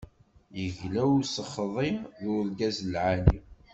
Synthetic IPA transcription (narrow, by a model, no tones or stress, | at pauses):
jəʝlæwsəχðˤiðʊðɡæzlʕani